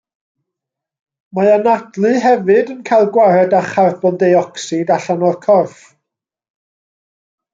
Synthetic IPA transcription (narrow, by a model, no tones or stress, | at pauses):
maanadlˠɨɦɛvɨdənkʰajlˠɡwaɾɛdaχarbɔndejɔksɨdaɬanɔrkʰɔrf